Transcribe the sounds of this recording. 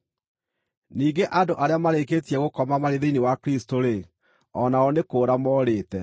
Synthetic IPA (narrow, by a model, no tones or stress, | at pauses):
niːŋɡeʔadoʔaɾeamaɾek̬eːtiɛɣokɔmamaɾeðeinewakɾistoɾe | ɔnaɔnekoːɾamɔːɾeːtɛ